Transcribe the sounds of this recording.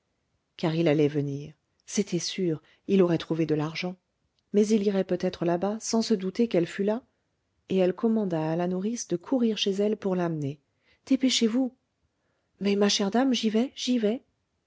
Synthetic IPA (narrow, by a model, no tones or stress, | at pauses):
kaʁilalɛvəniʁ | set̪ɛsyʁ | ilɔʁɛt̪χuved̪əlaʁʒɑ̃ | mɛziliʁɛpøt̪ɛt̪χəlabasɑ̃səd̪ut̪ekɛlfyla | eɛlkɔmɑ̃d̪aːlanuʁisd̪əkʰuʁiʁʃezɛlpuʁlamne | d̪̥epeʃevu | mɛmaʃɛʁd̪amʒivɛʒivɛ